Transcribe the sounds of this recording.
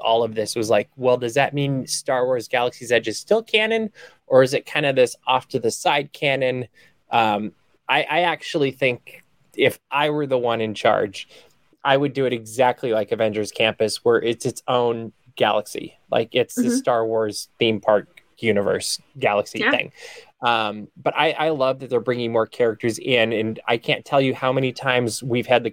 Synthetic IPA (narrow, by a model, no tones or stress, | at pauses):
ʔɔ̰lˠʌvðɪswʌzlaɪk̚wɛlˠdʌzðɨt̚mĩnstɑɹwɔɹzɡælˠəksizɛd͡ʒɨz̥stɪlˠkʰænɨ̃n | ʔə˞ɨzɨt̚kʰãɪ̃ndʌvðɪsɔftʰɨðɨsaɪd̚kʰænɨ̃n | ʔʌ̃m | ʔaɪʔaɪæk̚t͡ʃul̩ˠiθɪ̃ŋk | ɪfʔaɪwə˞ðəwʌ̃nɨ̃nt͡ʃʰɑ̰ɹd͡ʒ | ʔaɪwɨdɨɨɾɨɡzæk̚tʰˡlilaɪkɨvɛ̃nd͡ʒə˞z̥kʰæ̃mpɨswə˞ʔɪtsɨtsõʊ̃n | ɡ̥æ̰lˠəksḭ | la̰ɪkɪtsðɨsstɑɹwɔɹz̥θĩmpʰɑɹk̚ | jʉnɨvə̰˞sɡ̥ælˠəksiθɪ̰̃ŋ | ʌ̃mb̥ʌɾʔa̰ɪʔaɪlʌvðɨt̪̚ðə˞bɹɪ̃ŋɪ̃ŋmɔɹkʰɛɹɨk̚tə˞zɪ̃nɨ̃na̰ɪkʰæ̃ntʰɛlˠjɨhaʊmɛnitʰãɪ̃mzwiv̥ɨd̪̚ðɨ